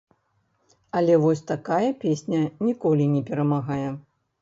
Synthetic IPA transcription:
ɐlʲɛvɔsʲt̪akajɐpʲesʲnʲɐnʲikɔlʲinʲɛpʲɛɾɐmaɣajɛ

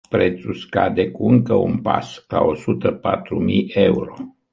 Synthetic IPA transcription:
pɾet̪suskad̪ekuɨŋkəṵnpaskao̞sut̪əpat̪ɾumijeuɾo̞

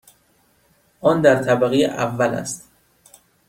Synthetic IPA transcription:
ʔɒːnd̪æɾt̪ʰæbæɣejeʔævːælæ̰st̪

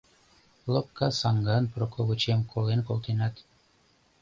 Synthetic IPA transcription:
lˠop̚kːɑsɑŋɡɑnprokoβut͡ɕemkʰolenkolˠt̪enɑt̪

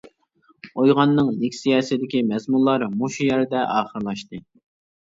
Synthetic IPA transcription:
ojʁɑnːɨŋlɪkʲsijɑːsɪd̪ɪkʲimɛzmunlˠɑɾmuʃujɛɾɪd̪ɛʔɑːχəɾlˠɑʃt̪ɨ

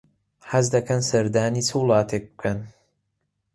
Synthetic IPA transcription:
hɐzd̪ɐkʰɐnsɐɾd̪aːniːt͡sʰɨwlˠɑːt̪ʰek̚bɨ̥kʰɐn

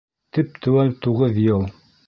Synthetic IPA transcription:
t̪ɘp̚t̪ʰɘ̆wælt̪uʁɤðjɤlˠ

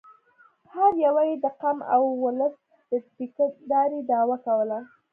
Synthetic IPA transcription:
haɾjawajed̪əqama̰wːʊləs | d̪̥əspikad̪ɑɾed̪ɑwakawəla

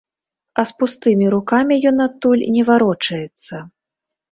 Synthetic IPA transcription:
ɐspust̪ɨmʲiɾukamʲijɔnat̪ːulʲnʲɛvaɾɔt͡ʂɐjɛt̪sːɐ

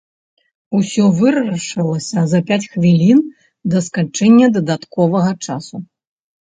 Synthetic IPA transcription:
usʲɔvɨɾɐɾɐʂɨlˠɐsʲɐzɐpʲat͡sʲxvʲilʲin | d̪ɐskant͡ʂɛnʲːɐd̪ɐd̪at̪kɔvɐɣɐt͡ʂasu

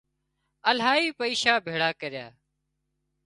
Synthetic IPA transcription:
əlɦaːiːpəiːʃaːbʱeːɽaːkəɾɪja̰ː

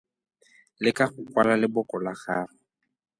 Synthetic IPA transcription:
lɪkaχʊkwalalɪbʊkɔlaχaːrɔ

